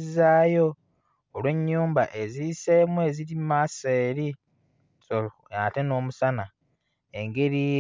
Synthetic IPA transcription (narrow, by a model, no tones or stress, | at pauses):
zaːjo̞ː | lwe̞ɲːuːmba̰ʔezise̞mue̞ziɾimaseːɾi | so | ate̞no̞ːmusana | eŋɡe̞ɾi